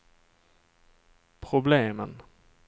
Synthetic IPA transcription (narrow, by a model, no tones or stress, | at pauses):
pʰɾʊbleːmən